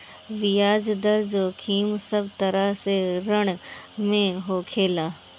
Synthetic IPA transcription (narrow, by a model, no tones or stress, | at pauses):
ʋijaːd͡ʑd̪əɾd͡ʑoːkʰiːmsɐbt̪ɐɾaseɾəɽ̃mẽɦoːkʰeːlaː